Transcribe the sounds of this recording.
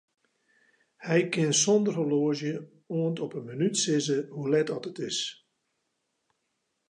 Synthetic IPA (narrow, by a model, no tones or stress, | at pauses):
hɛjkɪnsɔndərɦəloəzjə | oəntɔpənmənytsɪzəhulɛtɔtətɪs